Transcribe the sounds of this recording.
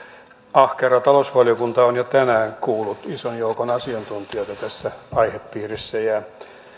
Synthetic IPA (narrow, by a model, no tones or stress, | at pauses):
ɑhkerɑt̪ɑlosʋɑlijokunt̪ɑonjot̪ænæːŋkuːlːut̪isonjoukonɑsiɑnt̪unt̪iot̪æt̪æsːæɑiheppiːrisːæjæ